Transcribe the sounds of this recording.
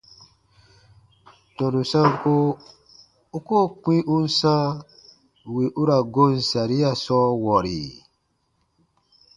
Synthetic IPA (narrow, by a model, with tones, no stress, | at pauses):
tɔ̃˨ɾu˨sã˦ŋ˦ko˦ | u˦ko˦˨k͡pĩ˦ʔu˦n̩˦sã˦ | wi˨ʔu˦ɾa˨ɡo˦n̩˨sa˨ɾi˦a˦sɔ˦wɔ˨ɾḭ˨